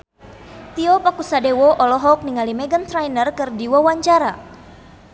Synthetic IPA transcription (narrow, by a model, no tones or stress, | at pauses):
t̪iɔpakusadewɔʔɔlɔɦɔk̚niŋalimɛɡənt̪ɾajnərkɨrdiwɔwaɲt͡ʃaɾa